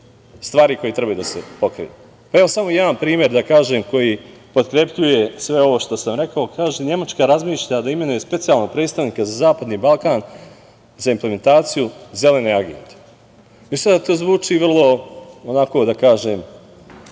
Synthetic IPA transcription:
st̪ʋaːɾiko̞jet̪ɾe̞bajud̪asepo̞kɾḭju | pae̞ʋo̞samo̞jaanpɾiːmʲjeɾd̪akaːʒe̞ːmko̞jipo̞t̪kɾe̞pʎuje̞sʋe̞o̞ʋo̞ʃt̪o̞samɾe̞kaokʰaːʒeɲe̞mat͡ʃkaɾazmiːʃʎad̪aime̞nuje̞spe̞t̪ijalˠno̞ɡ̚pɾet̪st̪aʋniːkazazaːpad̪niːbalˠkaːn | zaimpleme̞nt̪aːt̪sijuze̞le̞neaɡe̞̰nt̪e | ist̪ad̪at̪oːzʋuːt͡ʂiːʋr̩lˠo̞onako̞d̪akaːʒeːm

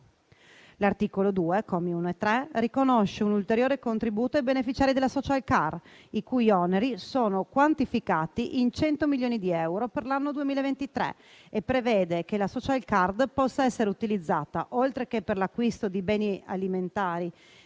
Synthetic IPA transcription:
lart̪iːkolod̪uːekomiunoet̪ːɾɛrikonoʃːeunult̪eɾjoːɾekont̪ɾibuːt̪oajbenefit͡ʃaːɾid̪elːasɔt͡ʃalkar | ikujɔneɾisoːnokwant̪ifikaːt̪iʔint͡ʃɛnt̪omiljoːnid̪iɛwɾoperlanːod̪uemiːlaevent̪it̪ɾḛ | epːɾeveːd̪ekelasɔt͡ʃalkard̪pɔsːaɛsːeɾeut̪ilid̪zːaːt̪a̰ʔolt̪ɾekeperlakːwist̪od̪ibɛːnia̰liment̪aːɾi

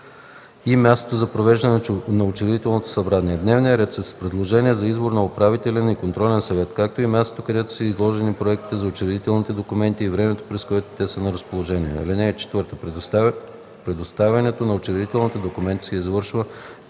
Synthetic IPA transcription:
imʲjast̪o̥t̪ozɐpɾovɛʒd̪ɐnɛnɐot͡ʃɛɾɛd̪it̪ɛlˠnot̪o̥sɐbɾaniɛd̪nɛvnijəɾɛt̪səspɾɛd̪lˠoʒɛniɛzɐizboɾnɐopɾavit̪ɛlʲɛnikont̪ɾɔlɛnsɐvɛt̪kak̚t̪oimʲast̪ot̪okɐd̪ɛt̪o̥səizlˠɔʒɛnipɾoɛkt̪i̥t̪ɛzɐot͡ʃɛɾɛd̪it̪ɛlˠnit̪ɛd̪okʊmɛnt̪iːvɾɛmɛt̪o̥pɾɛskoɛt̪o̥t̪ɛsənɐɾɐspolˠoʒɛniɛ̰ɐ̰linɛːt͡ʃɛ̥t̪vɤɾt̪ə | pɾɛd̪ost̪avʲɐnɛt̪onɐot͡ʃɛɾɛd̪it̪ɛlˠnit̪ɛd̪okʊmɛnt̪i̥sɛizvɤɾʃvə

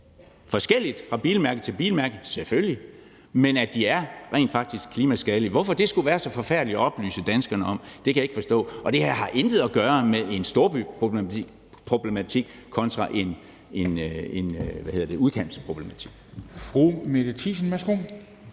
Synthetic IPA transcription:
fɒ̽sɡ̥el̰id̥fʁɑ̈b̥ḭːlmæɐɡ̥ð̩ˠt͡sʰe̝lb̥iːlmæɐɡ̥ð̩ˠselfølji | menæd̥iæɐʁɛḛːnd̥fɑ̈ɡ̥̚d̥isɡ̥̚kʰliːmæsɡ̥ɛːliʋɒ̽fɒ̽d̥e̝sɡ̥uʋæːɐsɒ̽fɒ̽fæɐ̰d̥liɒɒ̽b̥ly̰ːsəd̥ænsɡ̥ɐnəɒ̽md̥ekʰæjeɡ̥fɒ̽sd̥ɔ̰̽ːʔɒ̽d̥e̝hhɑ̈ʔend̥ð̩ˠɒɡ̥ɶːɐmeðˠe̝nsd̥o̝ːɐb̥ypʰoi̥ | pʰʁo̝b̥le̝mæt͡sʰiɡ̥ | kʰɒ̽nt͡sʰʁɑ̈ʔe̝n | enenʋæhe̝ð̰ˠɐd̥e̝uðˠkʰæn̰b̥spʰʁo̝b̥le̝mæt͡sʰi̥ɡ̥̚fʁumed̥t͡sʰisən̩mæsɡ̥on

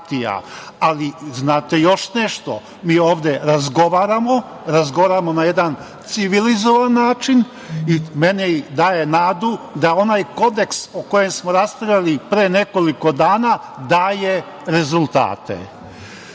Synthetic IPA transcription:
t̪ija̰ | aliznaːt̪e̞jo̞ʃne̞ʃt̪o̰ | miːo̞ːʋd̪eɾazɡo̞ʋaːɾamo | ɾazɡoʋaɾamo̞najed̪an | t̪siʋilizo̞ʋanːaːt͡ʃin | ime̞neid̪aːje̞naːd̪ud̪ao̞najko̞d̪e̞ksoko̞je̞msmoɾasp̪ɾavalipɾeːne̞ko̞liko̞d̪aːna | d̪aːje | ɾe̞zulˠt̪a̰ːt̪ḛ

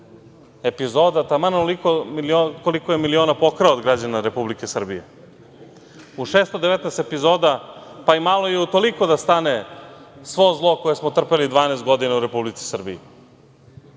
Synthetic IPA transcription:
e̞pizo̞ːd̪at̪amanolikoiliokolikojemilio̞ːnapo̞kɾeod̪ɡɾad͡ʑanaɾe̞publike̞sr̩bijḛ | uʃeːst̪od̪eʋet̪nɛːst̪epizo̞ːd̪apaimalˠo̞jeut̪o̞liko̞d̪ast̪ane̞sʋo̞zlˠo̞ko̞jesmot̪r̩pelid̪ʋaːneːst̪̚ɡo̞d̪inauɾe̞publit̪si̥sr̩bḭi

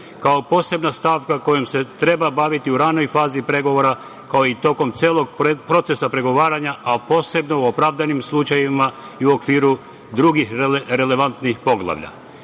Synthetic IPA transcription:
kao̞po̞ːse̞bnast̪aːʋkako̞jemse̞t̪ɾe̞babaʋit̪iuɾano̞jfaːzipɾe̞ɡo̞ʋo̞ɾa | kaoit̪o̞ko̞mt̪seːlˠo̞ɡpɾo̞t̪se̞sapɾe̞ɡo̞ʋaːɾaɲaʔapo̞ːse̞bno̞uopɾaʋd̪animslˠut͡ʃajima | iuo̞kʋiːɾu | d̪ɾuɡixɾe̞le̞ʋant̪nixpo̞ɡlˠa̰ʋʎa̰

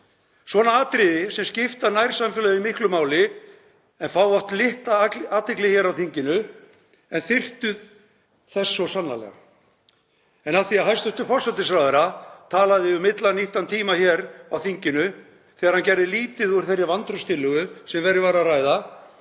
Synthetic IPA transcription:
svɔːnaaːt̪ɾɪðɪsɛmscɪft̪anajɾ̥samfɛlɛɣðɪmɪhklʏmaːwlɪ | ɛnfawɔht̪lɪht̪aaːt̪ɪklɪçɛːɾawθiɲcɪnʏ | ɛnθɪr̥t̪ʏð | θɛsːɔsanːa̰lɛ̰ɣa̰ | ɛnaθiaɦajst̪ʏht̪ʏfɔrsat̪ːɪs̬ɾaːwðɛɾat̪ʰaːlaðɪʏmːɪt̪laniht̪ant̪ʰiːmaçɛɾawθiɲcɪnʏ | θɛːɣaɾ̥hancɛɾðɪliːt̪ɪðuɾ̥θɛrjavant̪ɾʏst̪ʰɪlːʏɣʏsɛmvɛːɾɪvaɾaraːjða

